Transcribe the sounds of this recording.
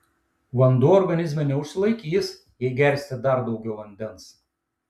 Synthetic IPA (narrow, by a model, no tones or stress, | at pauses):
ʋɐnd̪uːɔɾɡɐnʲɪzʲmʲɛnʲɛʊʃʲsʲɪlˠɐɪkʲiːs | jɛɪɡʲɛɾʲsʲt̪ʲɪd̪ɐɾd̪ɒʊɡʲɛʊʋɐnʲd̪ʲɛns